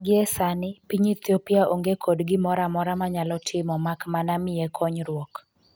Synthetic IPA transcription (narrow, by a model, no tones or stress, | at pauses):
ɡɪɛsanɪpiɲit̪jopɪaʔoŋɡekʰodɡɪmɔɾamɔɾamaɲalɔtʰɪmɔmakmanamɪɛkʰɔɲɾwɔk